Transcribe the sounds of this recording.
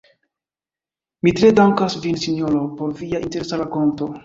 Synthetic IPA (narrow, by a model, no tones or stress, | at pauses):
mitɾe̞daŋkasvinsiɲoɾopo̞ɾviaʔinte̞ɾe̞saɾako̞nto̞